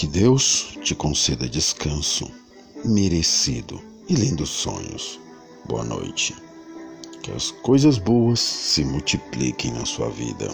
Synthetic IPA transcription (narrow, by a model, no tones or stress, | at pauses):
kɪd̪ewst͡ʃɪkõsed̪ɐd͡ʒɪskɐ̃sʊ̰ | meɾesid̪ʊ̰ | ɪlĩnd̪ʊsõ̰ɲʊ̰s | bo̰ɐ̰no̰jt͡ʃɪ̥ | kɪɐ̰skojzɐzbowɐsːɪmut͡ʃiplḭkẽj̃nɐsuɐ̰vḭd̪ɐ̰